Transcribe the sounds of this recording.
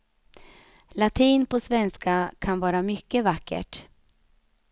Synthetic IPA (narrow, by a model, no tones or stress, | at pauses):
lat̪ʰiːnpʰɔsvɛnskakʰanvɑːɾamʏkːəvakːə̰ʈ